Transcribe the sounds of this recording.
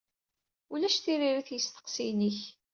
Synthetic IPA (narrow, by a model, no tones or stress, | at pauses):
ʊlæʃθiɾiɾiθjəst̪ə̥qsiniç